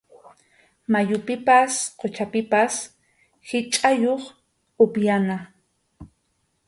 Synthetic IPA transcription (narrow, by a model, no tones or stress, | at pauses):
majʊpɪpasqʰot͡ʃapɪpas | hɪt͡ʃʼajoχ | ʊpjana